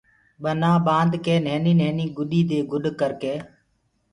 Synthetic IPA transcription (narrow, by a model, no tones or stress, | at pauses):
ɓənãːɓãːnd̪keːneːniːnɛeːniːɡʊɗiːd̪eːɡʊɗkəɾkeː